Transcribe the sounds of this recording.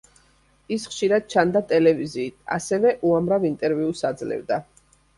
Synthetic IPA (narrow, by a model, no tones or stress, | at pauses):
isχʃiɾad̪̥̚t͡ʃʰand̪at̪ʼɛlɛviziːt̪ʰa̰sɛvɛʔuamɾavint̪ʼɛɾviusad̪zlɛ̰vd̪a